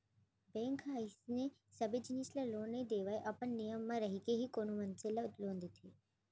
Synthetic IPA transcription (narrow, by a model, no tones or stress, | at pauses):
bẽːŋkɦaːisne | sɐbed͡ʒɪniːslɐloːnːɐid̪eːʋaːeʔɐpəɳnijəmːãɾɐɦikeɦikoːnumɐnsɪlaʊt̪lõːnd̪it̪ʰeː